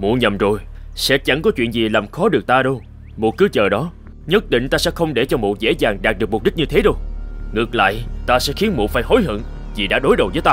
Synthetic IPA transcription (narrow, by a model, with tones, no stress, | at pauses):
mṵ˧˨əɲə˨˩mzo˨˩jsɛ̰˧˥t͡ɕa˧˩ŋkɔ˨˦t͡ɕwḭ˧˨ənzi˨˩laː˨˩mxɔ˨˦ɗɨ˨˩ək̚t̪aː˧ɗə˧w | mo˨˩t̚kɨ˨˦t͡ɕəː˨˩ɗɔ˨˦ | ɲə˦˥t̚ɗḭ̈˧˨ŋ̟t̪aː˧sɛ̰˧˥xə˧wŋ͡mɗe˧˩t͡ɕɔ˧mṵ˧˨zḛ˧˥zaː˨˩ŋɗaː˨˩k̚ɗɨ˨˩ək̚m˨˩k͡p̚ɗi˦˥k̚ɲɨ˧t̪ʰe˨˦ɗo˧wŋɨ˨˩ək̚la̰ː˧˨jt̪aː˧sɛ̰˧˥xi˨˦ənmṵ˧˨faː˧˩jɦo˨˦jɦɨ̰˧˨ŋ | zi˨˩ɗa̰ː˧˥ɗo˨˦jɗə˨˩wvəː˨˦jt̪aː˧